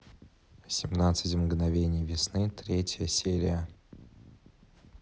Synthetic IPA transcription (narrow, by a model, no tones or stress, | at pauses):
sʲɪmnat̪sɨtʲmɡnɐvʲenʲɪjvʲɪsnɨt̪ɾʲetʲjəsʲeɾʲɪjə